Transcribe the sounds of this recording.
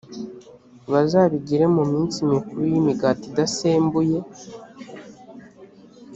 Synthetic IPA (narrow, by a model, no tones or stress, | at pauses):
βazaβiɟiɾe̞mumiːnsimikuɾujimiɡatidaseːmbuje̞